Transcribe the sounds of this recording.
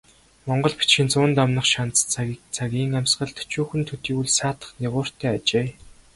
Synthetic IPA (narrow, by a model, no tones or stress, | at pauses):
mɔɴɢɞ̆ɮpi̥t͡ɕxɪ̆nt͡sʊːnt̪amnə̆χʃant͡st͡st͡sʰaɣʲiːŋæmsɢə̆ɮt̪ɵ̥t͡ɕuːxɘ̆nt̪ʰɵt̪iːuɮsaːt̪ə̥̆χneʁʊːr̥t̪ʰæːat͡ɕeː